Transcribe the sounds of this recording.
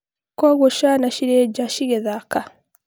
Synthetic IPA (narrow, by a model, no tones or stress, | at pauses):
koɣoʃanaʃiɾeɟaʃiɣeðaka